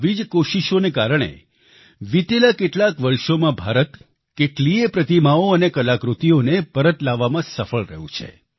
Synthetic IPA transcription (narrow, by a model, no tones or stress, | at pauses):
ʋid͡ʒkoʃiʃonekaɾəɽ̃ḛ | ʋit̪elakeʈlakʋəɾʃomãbʱaɾət̪ | keʈliepɾət̪imaoənekəlakɾut̪ionepəɾət̪laʋːamãsəfəɭɾə̰ɦṵ̃t͡ʃʰḛ